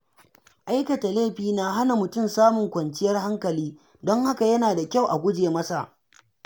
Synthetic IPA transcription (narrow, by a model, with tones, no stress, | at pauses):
ʔa˦jkɐ˨ta˨leː˦˨ɸiː˨na˨ɦa˦na˨mʊ˨tʊ˦˨msaː˦mʊ˨ŋkʷɐ˨nt͡ʃɪ˦jɐ˦rɦa˦ŋkɐ˨liː˦ | dɔ˦ŋha˦ka˨jɐ˦naː˨da˨kʲa˦wʔa˨ɡʷʊ˦d͡ʒeː˨mɐ˦sa˨ʔ